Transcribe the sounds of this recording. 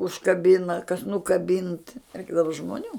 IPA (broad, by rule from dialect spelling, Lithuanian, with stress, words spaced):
ʊʃkɐˈbʲɪnɐ kɐs nʊkɐˈbʲɪnt ˈrʲɛɪɡdɐʋɐ ʒmoːˈnʲuː